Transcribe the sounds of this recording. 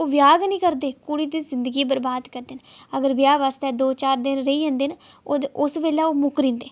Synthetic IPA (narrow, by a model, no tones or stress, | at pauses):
oːʋjaːɡnĩːkəɾd̪eːkuɽiːd̪iːzɪnd̪əɡiːbəɾbaːd̪kəɾd̪eːnəɡəɾʋɪjaːʋaːst̪ɛːd̪oːt͡ʃaːɾd̪ɪnɾəiːə̃ːnd̪eːnaoʊsʋeːlaːoːmʊkɾĩːnd̪eː